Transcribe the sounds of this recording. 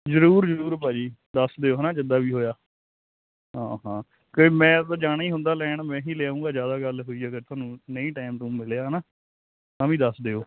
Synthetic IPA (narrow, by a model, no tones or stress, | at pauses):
zəɾuːɾzəɾuːɾpaːd͡ʒiːd̪əsd̪eːoːɦnãːd͡ʒɪd̪aːbiːɦoːjaː | ɦãːɦãː | koːmɛ̃ːt̪aːd͡ʒaːɽ̃aːiːɦʊ̃nd̪aːlɛːɳmɛ̃ːɦiːleaːũːŋɡaːzjaːd̪aːɡəlɦoːiːəɡəɾt̪ʰʊaːnũːnəĩːʈaːɪmt̪ũːmɪleaːɦənaː | t̪ãːʋĩːd̪əsd̪eːoː